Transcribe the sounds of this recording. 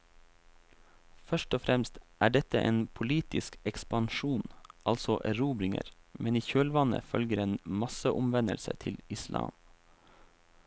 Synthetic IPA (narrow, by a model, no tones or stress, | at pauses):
fœʃʈɔfɾɛmst̪ʔæːɖɛt̪əʔeːnpʰʊliːt̪ɪskɛkspɑnʃuːnʔɑlsɔʔɾuːbɾɪŋə̰ɾmʔɛniːçøːlʋɑnə̰fœlɡəɾeːnmɑsəʔʊmʋɛnə̰lsə̰t̪ʰɪlɪslʔɑ̰ːm